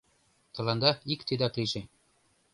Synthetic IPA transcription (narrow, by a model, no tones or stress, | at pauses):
t̪ɤ̆lɑnd̪ɑikt̪ed̪æklʲiʃe